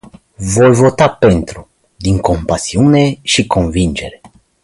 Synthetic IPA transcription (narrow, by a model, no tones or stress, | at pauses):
vo̞jvo̞t̪apent̪ɾu | d̪iŋko̞mpasiune̞ʃiko̞nvind͡ʒe̞ɾe